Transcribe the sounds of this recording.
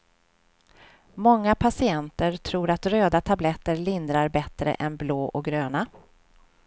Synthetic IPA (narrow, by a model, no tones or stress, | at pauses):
mɔŋːapʰasɪɛnt̪əɾʈʰɾuːɾat̪ɾøːd̪at̪ʰablɛt̪ːəɾlɪnd̪ɾaɾbɛt̪ɾə̰ʔɛnbloːʔɔk̚ɡɾøːna